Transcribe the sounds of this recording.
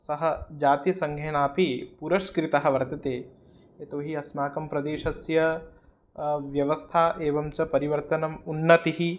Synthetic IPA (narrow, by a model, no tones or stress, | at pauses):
sɐɦɐd͡ʒaːt̪jɐsɐŋɡʱeːnaːpipuɾɐʃkɾit̪ɐɦɐ̆ʋɐɾt̪ɐt̪eː | et̪oːɦiɐsmaːkɐmpɾɐd̪eːʃɐsjɐ | ʋjɐʋɐst̪ʰaːʔeːʋɐmt͡ʃɐpɐɾiʋɐɾt̪ɐnɐmunːɐt̪iɦi